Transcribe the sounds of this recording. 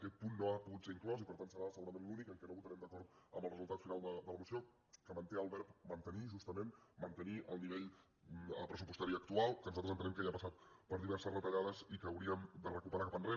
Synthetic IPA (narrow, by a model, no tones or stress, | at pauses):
əkɛt̪̚punːoapuɣut̪seiŋklɔsipəɾt̪antsəɾasəɣuɾəmẽnlunikəŋkɛnoβut̪əɾɛmd̪əkɔɾt̪əmbəlˠrəzulˠt̪at̪finalˠd̪əd̪ələmusio | kəmənt̪eəlˠβɛɾpmənt̪əniʒust̪əmenmənt̪əniʔə̰lˠniβeʎ | əpɾəsupust̪aɾiək̚t̪ualˠkənuzat̪ɾzənt̪ənɛmkəiəpəsat̪pəɾðiβɛɾsəsrət̪əʎaðəzikəːwɾiəmd̪ərəkupəɾakapəndre